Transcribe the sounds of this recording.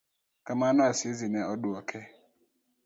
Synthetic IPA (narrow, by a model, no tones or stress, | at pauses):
kamanasɪzinɛɔduɔkʰɛ